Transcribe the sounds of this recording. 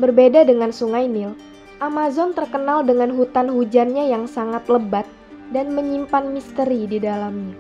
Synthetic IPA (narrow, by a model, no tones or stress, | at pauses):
bərbedadəŋansuŋajnɪl | ʔamazɔnt̪ərkənaldəŋanɦut̪anhud͡ʒanɲajaŋsaŋat̪ləbat̪̚ | danməɲimpanmist̪əɾididalamɲa